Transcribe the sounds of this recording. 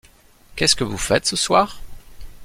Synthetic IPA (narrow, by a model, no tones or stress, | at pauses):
kʲɛskəvufɛt̪səswaːʁ